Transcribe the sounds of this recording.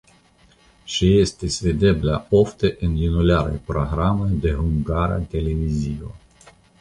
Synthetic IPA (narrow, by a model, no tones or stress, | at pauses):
ʃijest̪esved̪eblaoft̪eʔɨninuleaɾḛpɾoɦɾamed̪eɦuŋɡaɾa̰t̪elevizivə̰